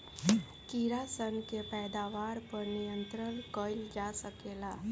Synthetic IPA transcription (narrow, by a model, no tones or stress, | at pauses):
kiɾasənkepɛːd̪aʋaːɾpəɾnijə̃nt̪ɾəlkəjld͡ʒasəkeːla